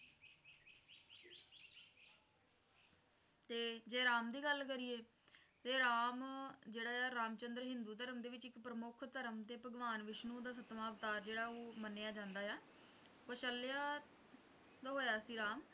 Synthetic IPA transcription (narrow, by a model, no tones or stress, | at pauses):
t̪eːd͡ʒeːɾaːmd̪iːɡəlkəɾiːeː | t̪eːɾaːmd͡ʒeːɽaːaːɾaːmt͡ʃənd̪ɾɦɪnd̪uːt̪əɾəmd̪eːʋɪt͡ʃɪkpɾəmʊkʰt̪əɾəmt̪eːpəɡʋaːnʋɪʃnũːd̪aːs̬ət̪maːʋt̪aːɾd͡ʒeːɽaːoːmənːejaːd͡ʒãːnd̪aːjaː | kəʃəlːjaː | t̪oɦoːjaːsiːɾaːm